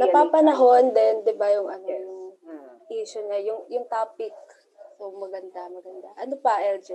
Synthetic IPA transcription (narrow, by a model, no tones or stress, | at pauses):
nɐpaːpɐnɐɦo̞nd̪ɛnd̪ɪbajʊŋʔɐnojʊ | ʔiːʃʊɲajʊŋjʊŋt̪aːpɪk̚ | sowmɐɡɐnd̪amɐɡɐnd̪a̰ʔɐnopɐʔɛld͡ʒɛ